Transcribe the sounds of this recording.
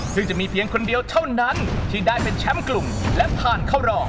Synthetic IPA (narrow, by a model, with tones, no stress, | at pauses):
t̪ʰɯː˧˩t͡ɕa˨˩ʔmiː˧pʰi˦˥əŋkʰo˧ndi˧əwt̪ʰa˥˩wna˦˥nt̪ʰiː˥˩daː˥˩jpe˧nt͡ɕʰɛ˦˥mklu˨˩mlɛ˦˥p̪ʰaː˥˩nkʰa˥˩wɾɔː˧˩